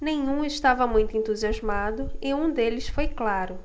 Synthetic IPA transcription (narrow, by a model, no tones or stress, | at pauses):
nẽj̃ũɪʃt̪avɐmũj̃t̪ʊẽnt̪uziazmad̪ʊɪũd̪elɪsfojklaɾʊ